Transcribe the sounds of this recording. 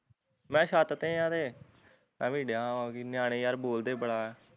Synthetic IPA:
mɛ̃ːʃaːt̪ət̪ẽːjãːt̪eː | mɛ̃ːmiːɽãːãkinjaːɽ̃eːjaːɾboːld̪eːbəɽaːɛː

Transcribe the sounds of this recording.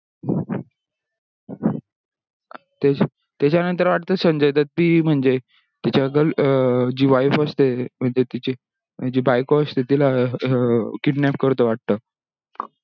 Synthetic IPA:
t̪e | t̪jat͡ɕjanənt̪əɾʋaʈ̚t̪əːsəmd͡ʑajt̪at̪̚miːm̤əɳd͡ʑe | t̪it͡ɕaɡəld͡ʑiːʋajfəst̪em̤əɳd͡ʑet̪it͡ɕe | d͡ʑiːbajkoəst̪et̪ila | kiʈnɛp̚kəɾt̪əʋaʈ̚t̪əː

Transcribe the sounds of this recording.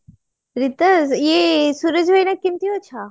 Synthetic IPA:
ɾit̪əzjesuɾəd͡ʑʋəjnakːimt̪iɦot͡ʃʰa

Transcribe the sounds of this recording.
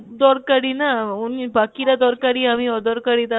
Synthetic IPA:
d̪ɔːɾkɐɽinaunpɐkːiɾɐd̪ɔːɾkɐɽiɐʋĩɔd̪ɔɾkɐɽit̪a

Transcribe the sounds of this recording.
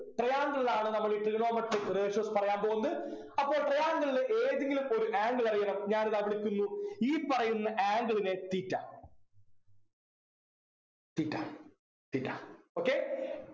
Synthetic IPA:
ʈrejaːŋɡɐɭilaːɳɨnɐmːɐɭiʈːrɨɣɳo̞ːmɐʈːɨreːɕoːspɐrɐjaːmpoːɣunɐðɨ | ɐpːo̞ːɭʈrejaːŋɡɐɭilʔeːðeŋɡilumo̞ɾuʔaːŋɡɐɭɐrijɐɳɐmɲaːnðɐʋiɭikʲːunːuiːpːɐrɐjunːɐʔaːŋɡɐɭine̞t̪iːtːa̰ː | t̪iːtːa̰ | t̪iːtːa̰ːo̞ːkːe

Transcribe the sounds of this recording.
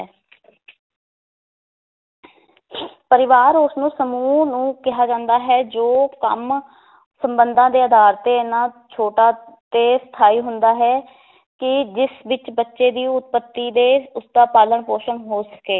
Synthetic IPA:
pəɾɪʋaːɾʊsnũːsəmuːnũːkɪɦaːd͡ʒãːnd̪aːɦɛːd͡ʒoːkə̰m | səmbənd̪ãːd̪eːəd̪aːɾt̪eːɪnãː | t͡ʃʰoːʈaːt̪eːst̪ʰaːiːɦʊnd̪aːɦɛː | kɪd͡ʒɪsʋɪt͡ʃbətːʃeːd̪iːʊt̪̚pət̪ːiːd̪eːʊsd̪aːpaːləɳpoːʃənɦoːsə̥keː

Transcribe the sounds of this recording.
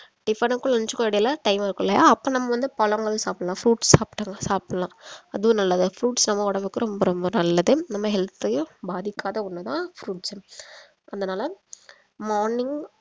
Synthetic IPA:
ɖ̥ɪfɐɳɯkːʊɭɐnt͡ʃːɯkːoɪɽɐjlaʈɐɪmɪɾɯkːɯlɐja̰ːɐpːõːnɐmːɐʋɐnd̪ɯpɐlɐŋɡɐɭɯsaːpɪɽɐlãːfɾuːʈssaːpɪ̥ʈːɐːŋɡɐsaːpɪɽɐlãːɐðɯʋʊ̃nɐlːɐðɯfɾuːʈsnɐmːɐɔɽɐʋɯkːɯɾɔmbɐɾɔmbɐnɐlːɐðɯnɐmːɐɦɛlt̪ːɐjʊ̃baːðɪkːaːðɐʊnːɐt̪ãːfɾuːʈs | ʔɐðdɐnaːlɐ | mɔːɾnɪŋɡ

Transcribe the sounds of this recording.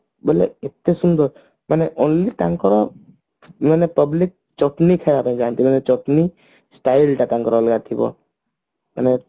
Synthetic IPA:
bolḛet̪ːesund̪ɔ | maneʔonliʈaŋkɔɾɔ | manepəblik̚ | t͡ʃɔʈnikʰajapãĩd͡ʒaːnt̪imanet͡ʃɔʈni | sʈaːilʈãkãŋkɔɾɔlɡaːt̪ʰibɔ̰ | ma̰ne

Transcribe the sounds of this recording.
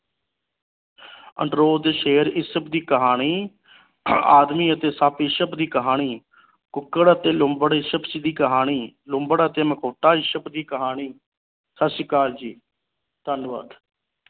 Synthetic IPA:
ə̰ɳɖɾoːd̪eːʃeːəɾɪsəpd̪iːkəɦaːɳiː | a̰ːd̪miːət̪eːsaːpɪʃəpd̪iːkəɦaːɳ̃iː | kʊkːəɽət̪eːlʊmbəɽʃəpt͡ʃid̪iːkəɦaːɳ̃iːlʊmbəɽət̪eːməkʰoːʈaːiʃəbd̪iːkəɦaːñiː | səsjəkaːɾd͡ʒiː | t̪ənʋa̰ːd̪

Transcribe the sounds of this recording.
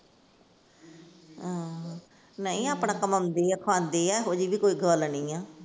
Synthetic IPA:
ãː | nəĩːaːpɳãːkəməmd̪eːɛːkʰãːnd̪eːɛːɦoːd͡ʒiːʋiːkoːiːɡʱəːlnĩːãː

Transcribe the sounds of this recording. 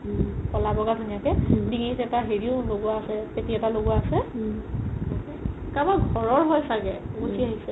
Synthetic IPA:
pɔlabɔɡadʱunijakɛdiŋizɛtaɦeɹiʊloɡuaːsɛpetiɛtaloɡuaːsɛ | kabaɡʱɔɹɔɹɦɔjsaɡɛɡusʰiaɦisɛ

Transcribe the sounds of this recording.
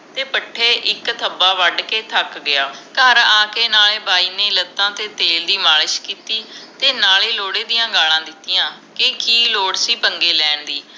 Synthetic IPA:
t̪eːpəʈʰːeːʔɪkt̪ʰəbaːʋəɖkeːt̪ʰəkɡɪaːkəɾaːkeːnaːleːbaːiːneːlət̪ːãːt̪eːt̪eːld̪iːmaːləʃkiːt̪iːt̪eːnaːleːloːɽeːd̪ɪjãːɡaːlãːd̪ɪt̪ːɪjãːkɪkiːloːɽsiːpəŋɡeːlɛːɳd̪iː

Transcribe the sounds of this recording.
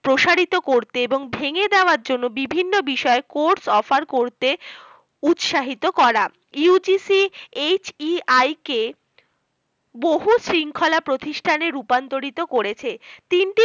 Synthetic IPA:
pɾoʃaɾit̪okoɾt̪eeboŋbʱeŋed̪eoaɾd͡ʑonːobibʱinːobiʃɔekoɖsɔfaɾkoɾt̪e | ut̪ʃaɦit̪okɔɾa | ud͡ʑisiet͡ɕiajke | boɦusɾiŋkʰolapɾot̪iʃʈʰaneɾupant̪oɾit̪okoɾet͡ɕʰet̪inʈi

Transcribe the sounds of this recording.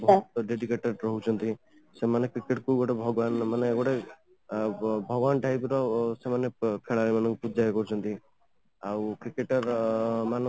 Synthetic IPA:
bɔt̪ɖeɖikeʈɔɾɾɔɦut͡ʃʰɔnt̪i | semanekɾikeʈkuɡɔʈebʱɔɡɔʋanmaneɡɔʈe | bʱɔɡʋanʈajpɾɔsemanekʰeɭaɾemanɔ̃ŋkupud͡ʒajkɔɾut͡ʃʰɔnt̪i | awkɾikeʈɔɾmanɔ̃

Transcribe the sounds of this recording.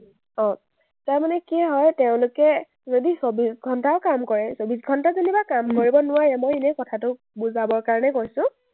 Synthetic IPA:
ɔ̃ | taɹmanɛkiɛɦɔjteʊ̃lʊkɛ | zodisobisɡʱɔntaʊkamkɔɹɛsobisɡʱɔntazonibakamkoɹibɔnʊwaɹɛmojenɛkɔtʰatʊ | buzabɔɹkaɹɔnɛkojsʊ̃

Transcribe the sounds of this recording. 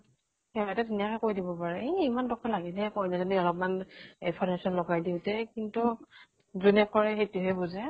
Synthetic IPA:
hɛɛtɛtinijakɛkoɹjdibɔpaɹɛimandɔkʰalaɡɛnɛkɔjnɛzɔniɔlɔpɔmanipʰɔmesɔnlɔɡajdiʊtɛkintu | zunɛkɔɹɛxejtuɦɛbuzɛ

